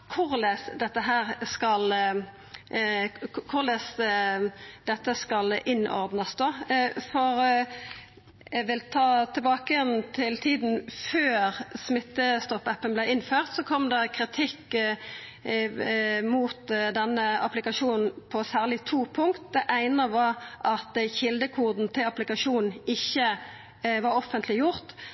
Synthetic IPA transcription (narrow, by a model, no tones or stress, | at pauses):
kʰʊʁlesd̪ɛt̪ːəɦæːʁskɑl | kʰʊʁlɛs | d̪̥ɛt̪ːəskɑlɪnʔɔ̰ʁd̪nəsd̪oːfɔʁ | jɛʋɪlt̪ʰɑːt̪ʰɪlbɑːkəɛnt̪ʰɪlt̪ʰiːd̪n̩føːʁsmɪt̪ːəst̪ɔpːɛpːənblɛɪɪnføːʁt̪sɔkʰɔmd̪ɑkʰʁɪt̪ʰɪkː | muːt̪d̪ɛnːəɑ̰plɪkɑʃuːnn̩pʰɔsæːʁlɪt̪ʰuːpʰʊŋkt̪̚d̪ɛʔæɪnəʋɑɾʔɑt̪çɪld̪əkʰuːd̪n̩t̪ʰɪlɑplɪkɑʂuːn̩ɪçːə | ʋɑɾɔfənt̪lɪjʊʁt̪